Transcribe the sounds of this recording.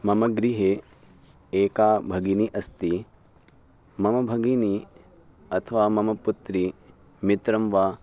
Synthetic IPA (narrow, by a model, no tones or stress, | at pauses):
mɐmɐɡɾiɦeː | eːkaːbʱɐɡiniʔɐst̪i | mɐmɐbʱɐɡini | ɐt̪ʰɐʋaːmɐmɐput̪ɾi | mit̪ɾɐmʋaː